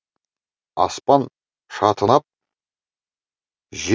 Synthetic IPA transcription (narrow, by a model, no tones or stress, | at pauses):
ɑ̰spɑn | ʃɑt̪ʰənɑp̚ | ʒ